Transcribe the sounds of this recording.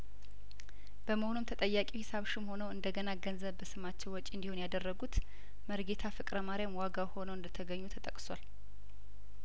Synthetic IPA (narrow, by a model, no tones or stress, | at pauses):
b̥əməhonumt̪ʰət̪ʼəjːakʼihɪsaβʃɪmho̞nəwɨnd̪əɡənaɡənzəβːəsɨmat͡ʃːɛwwɔt͡ʃʼiɨnd̪ihunjad̪ərːəɡut̪ | məɾɡet̪ʰafɨkʼɾəmaɾijamwaɡawho̞nəwɨnd̪ət̪ʰəɡəɲːut̪ʰət̪ʼəkʼswal